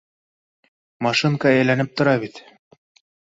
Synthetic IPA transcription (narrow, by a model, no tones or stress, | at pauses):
mɑʃɨŋkɑæjlænɘp̚t̪ŏɾɑβit̪